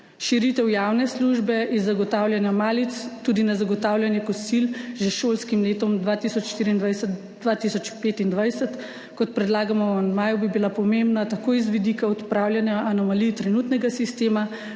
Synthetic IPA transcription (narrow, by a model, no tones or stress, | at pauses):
ʃiɾit̪ɛwjaːwnɛsluːʒbɛʔizːaɡɔt̪aːwljanjamaːlit̪st̪uːd̪inazaɡɔt̪awljanjɛkɔsilʒeʃoːlskimleːt̪ɔmd̪ʋat̪isɔt͡ʃʃt̪iːɾiːnd̪ʋajs | d̪ʋat̪isɔt͡ʃpeːt̪ind̪ʋajsɛt̪ | kɔt̪̚pɾɛd̪laːɡamɔnmaːjubibilapɔmembnat̪akoːizʋid̪ikaɔt̪pɾawljanjaʔːnɔmalit̪ɾɛnuːt̪nɛɡasist̪eːma